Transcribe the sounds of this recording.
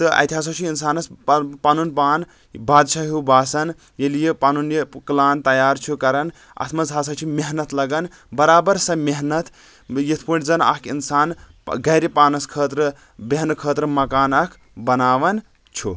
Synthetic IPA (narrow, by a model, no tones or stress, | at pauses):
t̪ɨʔɐ̰t̪iɦaːs̬ɐwt͡ʃʰiinsaːnɐspanunpaːn | baːd̪ʃaɦubaːsɐn | jelijepanunjeklaːnt̪ɐjaːɾt͡ʃʰukɐɾɐn | ɐ̰t̪ʰmɐzɦaːs̬ɐt͡ʃʰimeɦnɐt̪lɐɡɐn | bɐɾaːbɐɾsɐ̃meɦnɐt̪ | jit̪ʰpuʈzɐnɐ̰kinsaːnɡɐɾipaːnɐskʰəːt̪ɾ | beɦnkʰəːt̪ɾɨmɐkaːnɐkʰ | bɐnaːʋɐn | t͡ʃʰu